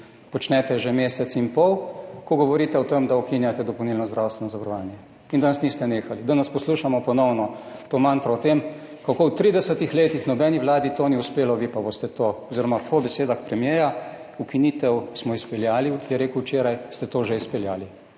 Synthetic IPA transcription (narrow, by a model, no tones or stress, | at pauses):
pɔt͡ʃnɛt̪ɛʒɛmeːsɛt̪sinpɔwkɔɡɔʋɔɾit̪ɛɔt̪emd̪aukinjat̪ɛd̪ɔpɔwnilnɔzd̪ɾawst̪ʋɛnɔzaʋɾɔʋaːnjɛ | ind̪anasniːst̪ɛneːxalid̪anɐspɔsluːʃamɔpɔnɔwnɔt̪oːmant̪ɾɔɔt̪em | kakowt̪ɾid̪ɛsət̪ixleːt̪ixnɔbɛːniʋlaːd̪it̪oniuspeːlɔʋipaboːst̪ɛt̪oɔziɾɔmapɔbɛseːd̪axpɾɛmjejaukiniːt̪ɛwsmɔispɛljaːlijɛɾeːkuwt͡ʃeːɾajst̪ɛt̪oːʒeispɛljaːli